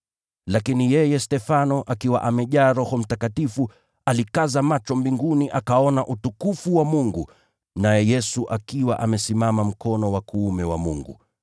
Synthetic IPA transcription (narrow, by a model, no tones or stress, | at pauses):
lakinijɛjɛstɛfanɔʔakiwa̰ʔamɛʄaːɾɔhɔm̩takatifu | alikazamat͡ʃɔmbiŋɡuniʔakaɔnaʔutukufuwamuŋɡu | najɛjɛsuʔakiwaʔamɛsimamam̩kɔnɔwakuːmɛwa̰mṵŋɡṵ